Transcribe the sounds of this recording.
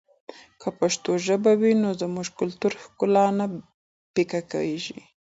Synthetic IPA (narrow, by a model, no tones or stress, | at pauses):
kʰapaʃt̪oʒəbawinozəmuʒkʊlt̪uɾhkʊlɑna | pikaka̰weʒḭ